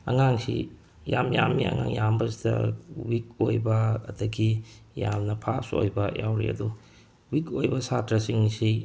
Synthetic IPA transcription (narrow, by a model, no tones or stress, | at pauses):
ɐŋaŋsḭ | jamjamiɐ̰ŋaŋjambɐsidɐ̰wik̚ojbɐɐ̰dɐɡi | jamnɐpʰaso̰jbɐjawɾḭɐ̰du | wikojbɐsatɾɐsiŋsi